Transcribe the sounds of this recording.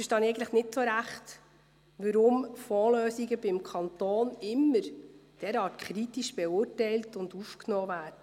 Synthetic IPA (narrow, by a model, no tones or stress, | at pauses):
fəʃtɑːniɛɪɡn̩tləχnɪtsoɾæχt | ʋəɾʊmfɔːløːsiɡəbɪmkʰɑnt̪ɔːnɪmːəɾd̥ɛɾɑːtkχɾitiʃb̥ɛʊːrtɛjltʊndufknɔːvæːdə